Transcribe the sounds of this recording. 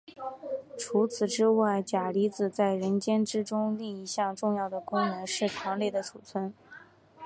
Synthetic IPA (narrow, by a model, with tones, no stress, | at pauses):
ʈ͡ʂʰu˧˥t͡sʰɹ̩˨˩ʈ͡ʂɻ̩˥wa˥˩ɪt͡ɕja˨˩li˧˥t͡sɹ̩˨˩t͡sa˥˩ɪɻə˧˥nt͡ɕjɛ˥nʈ͡ʂɻ̩˥ʈ͡ʂʊ˥ŋli˥˩i˧˥ɕjɑ˥˧ŋʈ͡ʂʊ˥˧ŋjɑ˥˩ʊd̪ə˩kʊ˥ŋnə˧˥nʂɻ̩˥˩ʈ͡ʂʰɑ˧˥ŋle˥˩ɪd̪ə˩ʈ͡ʂʰu˨˩t͡sʰwə˥n